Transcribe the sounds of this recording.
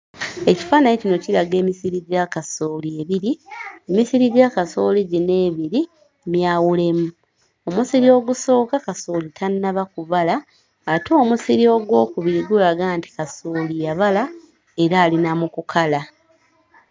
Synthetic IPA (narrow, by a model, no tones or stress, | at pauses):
e̞ci̥faːnajecino̞cilaɡe̞ːmisiɾiɟakaso̞ːlie̞βiɾiemisiɾiɟakaso̞liɟine̞ːβiɾi | mjaːwule̞mu | o̞musiɾio̞ːɡuso̞ːkakaso̞litʰanːaβakuβalaː | toːmusiɾio̞ɡwo̞ːkuβiɾiɡulaɡaːnti̥kasoːlijaβala | e̞ɾaːlinamukukʰala